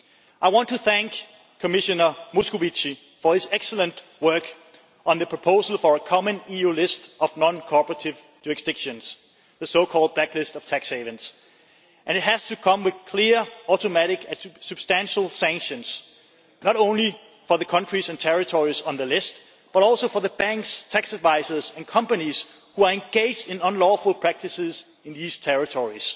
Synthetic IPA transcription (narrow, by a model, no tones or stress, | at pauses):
ʔaɪwɑ̃ntʰuθæ̃ŋk | kʰəmɪʃɨnə˞muskovit͡ʃi | fəɨzɛksələ̃nʔ | wɜ˞k | ə̃nðɨpʰɹ̥əpʰoʊzəl̩ˠfə˞əkʰɑmə̃nijulɪstʔʌvnɑ̃nkʰɔpə˞əɾɪv | d͡ʒʉɹɨksd̥ɪkʃɨ̃nz̥ | ðəsoʊkʰɔlˠd̚b̥læklɪstʌv̥tʰækseɪvɨ̃ns | ʔɨ̃nɨt̚ɦæz̥tʰukʰʌ̃mwɨð̥kʰl̥ɪəɔɾomæɾɪkɨsub̥stæ̃nʃl̩ˠsæ̃ŋkʃɨ̃nz | nəɾõʊ̃nli | fə˞ðəkʰʌ̃nt͡ʃɹ̥izɨ̃ntʰɛɹɨtʰɔɹiz̃n̩ðəlɪst̚ | b̥ʌɾɔlˠsoʊfə˞ðəbæ̃ŋkstʰæksədvaɪzə˞zæ̃nkʰʌ̃mpəniz̥ | huəẽnɡeɪd͡ʒdɪ̃nə̃nlɔfəl̩ˠpʰɹ̥æk̚tɨsɪz | ɪ̃nðiz̥tʰɛɹɨtʰɔɹiz̥